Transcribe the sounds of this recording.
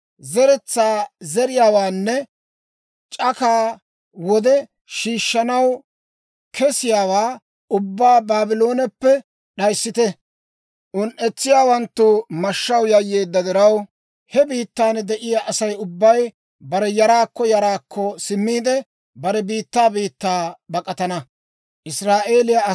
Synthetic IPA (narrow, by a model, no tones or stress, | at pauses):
zɛɾɛt͡sːaːzɛɾɪjaːwaːnːɛ | t͡ʃʼɐkaː | wɔd̪ɛ | ʃiːʃːɐnɐw | kʰɛsɪjaːwaː | ʊbːaːbaːbɪlo̞ːnɛpːɛ | ɗɐjsːɪt̪ɛ | ʔʊnʔɛt͡sːɪjaːwɐnt̪ːumɐʃːɐwjɐjːeːd̪ːɐd̪ɪɾɐw | hɛbiːt̪ːaːnɛd̪ɛʔɪjaʔɐsɐjʊbːɐj | bɐɾɛjɐɾaːkːɔjɐɾaːkʰːɔsɪmːiːd̪ɛ | bɐɾɛbiːt̪ːaːbiːt̪ːaːbɐkʼɐt̪ɐnɐ | ʔɪsɾaːʔe̞ːlɪja